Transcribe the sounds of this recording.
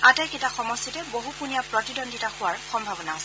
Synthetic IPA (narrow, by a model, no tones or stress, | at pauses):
atajketaxɔmɔstitɛboɦupunijapɹɔtidɔndʱitaxʊwaɹxɔmbʱabɔnaʊ̃